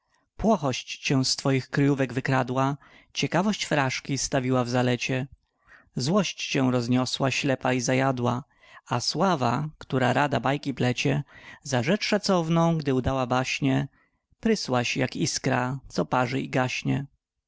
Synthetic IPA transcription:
pwɔxɔɕt͡ɕt͡ɕɛ̃st̪fɔjixkɾɪjuvɛɡvɘkɾad̪wa | t͡ɕɛkavɔɕt͡ɕfɾaʂkʲist̪avʲiwavzalɛt͡ɕɛ | zwɔɕt͡ɕt͡ɕɛw̃ɾɔzɲɔswaɕlɛpaizajad̪wa | aswavakt̪uɾaɾad̪abajkʲiplɛt͡ɕɛzaʐɛt͡ʂʂat̪sɔvnɔ̃w̃ɡd̪ɘud̪awabaɕɲɛ | pɾɘswaɕjakiskɾat̪sɔpaʐɘ̰iɡaɕɲɛ

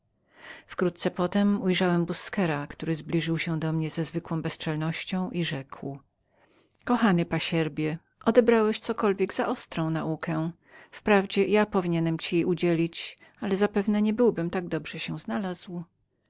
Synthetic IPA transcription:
fkɾut̪t̪sɛpɔt̪ɛmujʐawɛmbuskɛɾakt̪uɾɘzblʲiʐɘwɕɛd̪ɔmɲɛzɛzvɘkwɔ̃w̃bɛst͡ʂɛlnɔɕt͡ɕɔ̃w̃ʔiʐɛkw | kɔxanɘpaɕɛɾbʲjɛ | ʔɔd̪ɛbɾawɛɕt̪sɔkɔlvʲjɛɡzaʔɔst̪ɾɔ̃w̃naʔukʰɛ | fpɾavd͡ʑɛjapɔvʲiɲɛnɛmt͡ɕijejud͡ʑelʲit͡ɕ | alɛzapɛvnɛɲɛbɘwbɘmt̪aɡd̪ɔbʐɛɕɛw̃znalazw

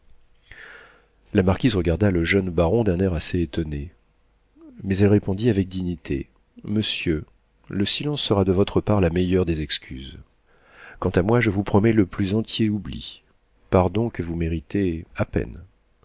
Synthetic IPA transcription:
lamaʁkʲizʁəɡaʁd̪aləʒœnbaʁɔ̃d̪ɛ̃nɛʁaseːt̪ɔne | mɛzɛlʁepɔ̃d̪iavɛk̚d̪iɲit̪ʰḛ | məsjø | ləsilɑ̃sːəʁad̪əvɔt̪χəpaʁlamɛjœʁd̪ezɛkskʲy̰z | kɑ̃t̪amwaʒəvupχɔmɛləplyzɑ̃t̪jeublḭ | paʁd̪ɔ̃kəvumeʁit̪eapɛ̰n

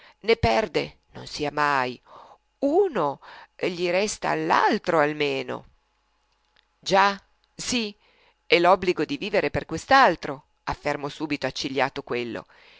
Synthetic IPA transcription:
nepɛrd̪enonsiːamaj | uːnoʎiɾɛst̪a̰lːa̰lt̪ɾoalmeːno̰ | d͡ʒa | si | ɛlɔbːliɡod̪iviːveɾeperkwest̪alt̪ɾo | afːermosuːbit̪oat͡ʃːiʎːa̰ːt̪okwelːo̰

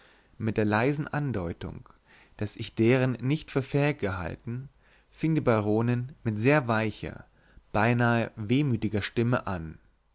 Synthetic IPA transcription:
mɪt̚d̥eːɐlaɪzn̩ʔandɔʏtʊ̰ŋ | d̥asɪçd̥eːʁ̞ənːɪçtfyːɐfɛːɪk̚ɡ̥əɦa̰ltn̩ | fɪŋəndiːbaʁoːnənmɪtz̥eːɐvaɪçɐ̰ | b̥aɪnaːəveːmyːtɪɡɐʃtɪməʔan

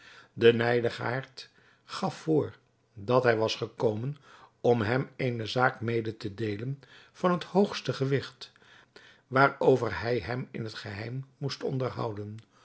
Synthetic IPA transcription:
dənɛjdəχa̰ːɹt | χɑfːʊːɹ | dɑtɦɛjʋɑsχəkowmənɔmɦɛmejnəzaːkmejdətədejlən | v̥ɑnɦəthowχstəχəʋɪχt | ʋaːɹowvəɹɦɛjɦɛmɪ̰nɦətχəɦɛjmːustɔ̰ndəɹɦʌ̰wdən

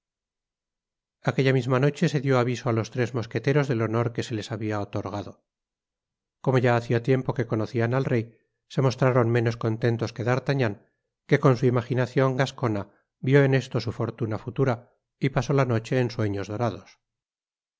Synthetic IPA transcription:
ake̞ʝamizmano̞t͡ʃe̞se̞ðjo̞aβisoalo̞st̪ɾe̞zmo̞ske̞t̪e̞ɾo̞zðe̞lo̞no̞ɾke̞se̞le̞saβiaot̪o̞ɾɣaðo | ko̞mo̞ʝaːθiat̪je̞mpo̞ke̞ko̞noθianalrej | se̞mo̞st̪ɾaɾo̞nme̞no̞sko̞nt̪e̞nt̪o̞ske̞ðaɾt̪aɲaŋ | ke̞ko̞nsuimaχinaθjo̞ŋɡasko̞na | bjo̞ene̞st̪o̞sufo̞ɾt̪unafut̪uɾa | ipaso̞lano̞t͡ʃe̞ːnswe̞ɲo̞zðo̞ɾað̞o̞s

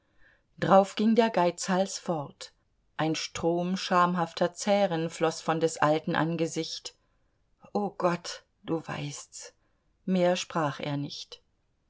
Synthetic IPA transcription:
d̥ʁaʊfɡ̥ɪŋdeːɐɡaɪt͡shalsfɔʁt | ʔaɪnʃtʁ̥oːmʃaɐmɦaftʰɐt͡sɛːʁənflɔsfɔndɛsʔaltn̩ʔa̰nɡəzɪçt | ʔoːɡ̥ɔt | d̥uːva̰ɪsts | meːɐʃpʁ̥aːχḛːɐnɪçt

